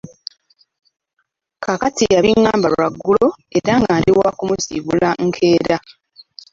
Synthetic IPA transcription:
kʰakatijaβiŋːaːmbalwaɡːulo̞eɾaŋɡaliwakumuzḭβulaŋkʰe̞ːɾa

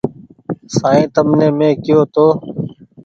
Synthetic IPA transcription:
saːẽːt̪əmnẽːmẽːkɪjoːt̪oː

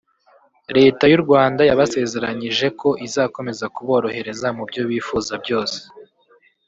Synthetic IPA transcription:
ɾe̞ːtajuɾɡwaːndajaβase̞ːze̞ɾaɲiʒe̞ko̞ʔizaːko̞me̞zakuβo̞ːɾo̞he̞ɾe̞zamubɟo̞βiːfuːzabɟo̞ːse̥

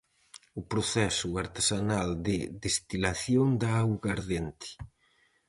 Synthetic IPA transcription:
ʊpɾoθɛsʊaɾt̪esanald̪ɪðest̪ilaθjond̪aaɣaɾðent̪ɪ̥

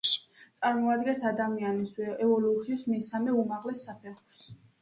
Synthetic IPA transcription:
t̪sʼaɾmɔad̪ɡɛnsad̪amianisɛvɔlut̪sʰiːsmɛsamɛumaʁlɛsːapʰɛχuɾs

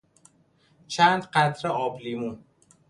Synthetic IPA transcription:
t͡ʃʰænd̪qæt̪ʰɾeɒːbliːmuː

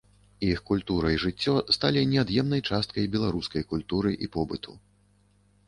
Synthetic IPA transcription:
ixkulʲt̪uɾɐjʐɨt͡sʲːɔst̪alʲinʲɛad̪jɛmnɐjt͡ʂast̪̚kɐjbʲɛlˠaɾuskɐjkulʲt̪uɾɨʔipɔbɨt̪ʰṵ

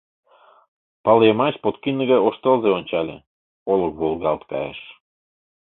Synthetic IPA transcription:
pɑlemɑt͡ɕpot̪kinːəɣɑjoʃt̪ɤlzeonʲt͡ɕɑlʲḛ | olɤk̚ɣolˠɣɑlt̪kɑ̰jḛʃ

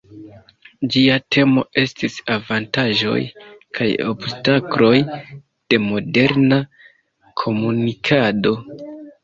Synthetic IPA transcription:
d͡ʒiatʰe̞mo̞̰e̞stisavantaʒo̞̰jkʰajo̞̰bstaklo̞j | d̥e̞mo̞de̞ɾna | kʰo̞munikʰado̞

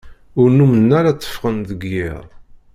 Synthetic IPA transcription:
ʊɾnumənːæɾat͡sˤːə̥fʁənðəɡjɪ̰ʁ

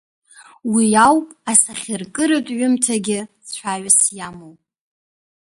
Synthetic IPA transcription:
wiawpʼasaχʲɪrkʼɨɾɨtʼɥʊmtʰaɡʲɪ | ħʷʰaɥasjamowʼ

